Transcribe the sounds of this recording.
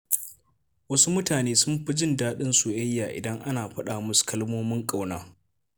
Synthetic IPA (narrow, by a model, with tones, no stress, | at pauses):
wɐ˦su˦mʊ˦taː˨neː˦sʊ˦mɸɪ˦d͡ʒɪ˦˨ndaː˦ɗɪ˦nsu˨jɐ˦jːaː˨ʔɪ̰˨dɐ˦ŋʔa˦naː˨ɸɐ˦ɗaː˨mʊ˦skɐ˦lmoː˦mɪ˦ŋkʼa˨wnaː˦